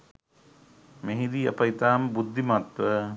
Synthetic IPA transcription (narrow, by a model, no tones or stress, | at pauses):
meɦid̪iːɐ̰pɐit̪aːmbud̪ʱːimat̪ʋə